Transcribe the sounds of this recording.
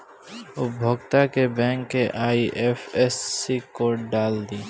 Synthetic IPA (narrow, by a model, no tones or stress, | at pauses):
ʊbʱoɡt̪akebɛ̃ːŋkːeʔaːiʔeːfesːikoɖaːld̪iː